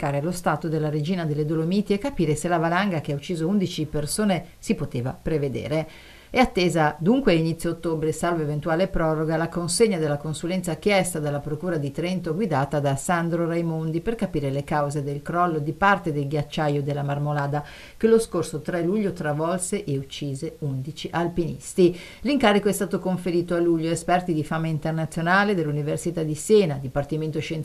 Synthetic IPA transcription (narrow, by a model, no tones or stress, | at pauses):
kaːɾelost̪aːt̪od̪elːaɾed͡ʒiːnad̪elːed̪olomiːt̪iɛkːapiːɾeselavalaŋɡak̟eaut͡ʃːiːzound̪it͡ʃipersoːne | sipot̪eːva̰pɾeved̪ḛːɾe | ɛat̪ːeːzad̪uŋkweainit̪sːjoot̪ːoːbɾesalvoevent̪uaːlepɾɔːɾoɡalakonseɲːad̪elːakonsulɛnt̪sak̟jɛst̪ad̪alːapɾokuːɾad̪it̪ɾɛnt̪oɡwid̪aːt̪ad̪asand̪ɾorajmond̪iperkapiːɾelekawzed̪elkɾɔlːod̪ipart̪ed̪elɡjat͡ʃːajod̪elːamarmolaːd̪a | keloskorsot̪ɾɛluʎːot̪ɾavɔlseʔeut͡ʃːiːzeund̪it͡ʃiʔalpinḭst̪i | liŋkaːɾikoɛst̪aːt̪okoɱfeɾiːt̪oalːuʎːoespɛrt̪id̪ifaːmaint̪ernat̪sjonaːled̪elːuniversit̪ad̪isɛːnad̪ipart̪iment̪oʃen